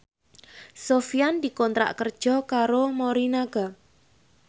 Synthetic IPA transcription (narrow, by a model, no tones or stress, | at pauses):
sofijand̪ikɔnt̪ɾa̰ʔkərd̥ʒ̥ɔ̤kaɾomoɾinaɡ̥a